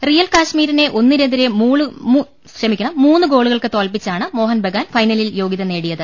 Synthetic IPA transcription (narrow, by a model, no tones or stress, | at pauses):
rijɐlkaːʂmiːɾine̞ʔo̞nːiɾend̪iɾemuːɭɨ | rɐmikʲːuɳɐmuːnːɨɡo̞ːɭuɣɐɭkɨt̪o̞ːlpit͡ɕːaːɳɨmo̞ːɦɐnbʱeɡaːnfɐjnɐliljo̞ːɡiðɐne̞ːɽijɐðɨ